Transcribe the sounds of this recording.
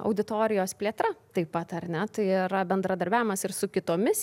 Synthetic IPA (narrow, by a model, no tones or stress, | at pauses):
ɐ̰ʊd̪ʲɪt̪oːɾʲɪjoːspʲlʲeːt̪ɾɐt̪ɐɪpːɐt̪ɐɾnʲɛt̪ɐɪiɾɐbʲɛnd̪ɾɐd̪ɐɾʲbʲæːʋʲɪmɐsɪɾsʊkʲɪt̪oːmʲɪs